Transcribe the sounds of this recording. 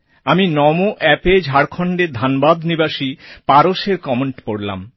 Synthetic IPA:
aminɔmoʔɛped͡ʑʱaɽkʰɔɳɖeɾd̪ʱanbad̪nibaʃipaɾoʃeɾkɔmeɳʈpoɽla̰m

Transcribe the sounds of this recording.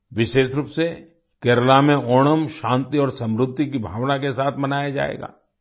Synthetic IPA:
ʋɪʃeːʃɾuːpse | keːɾəlamẽoːɽ̃əmʃãːnt̪iɔːɾsɐ̃mɾʊd̪ʱːikibʱaːʋnakesaːt̪ʰmɐnaːjad͡ʒa̰ːḛːɡa̰ː

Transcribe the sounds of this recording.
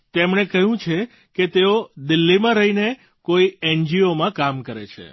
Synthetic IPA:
t̪emɳekəɦjũt͡ʃʰe | ket̪eod̪ɪlːimãɾəɦine | koiɛnd͡ʒiomãkamkəɾḛt͡ʃʰḛ

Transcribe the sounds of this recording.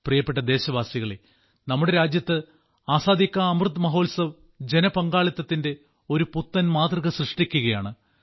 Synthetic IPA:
prijɐpːeʈːɐd̪e̞ːɕɐʋaːsiɣɐɭe | nɐmːuɽe̞ɾaːd͡ʑjɐt̪ːɨ | aːsaːd̪ikʲːaɐmrɨd̪mɐɦo̞ːlsɐʋ | d͡ʑe̞nɐpɐŋɡaːɭɐt̪ːɐt̪ːinde̞ | o̞ɾuput̪ːɐnmaːt̪rɨɣɐɕrɨʂʈikʲːuɣɐjaːɳɨ

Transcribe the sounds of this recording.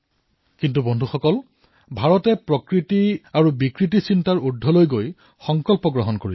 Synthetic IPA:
kintubɔndʱuxɔkɔl | bʱaɹɔtɛpɹɔkɹitiaɹubikɹit̬isintaɹudʱːɔlojɡoj | xɔŋkɔlpɔɡɹɔɦɔnkoɹḭl

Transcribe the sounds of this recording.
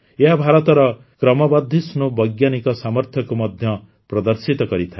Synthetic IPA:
eɦabʱaɾɔt̪ɔɾɔ | kɾɔmɔbad̪ʱːisnubʌjɡjanikɔsamɔɾt̪ʰjɔkomɔd̪ʱjɔ | pɾɔd̪ʌɾsit̪ɔkɔɾit̪ʰae

